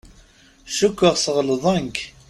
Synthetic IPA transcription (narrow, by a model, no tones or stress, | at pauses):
ʃukʷːəʁsəʁlðˤæŋk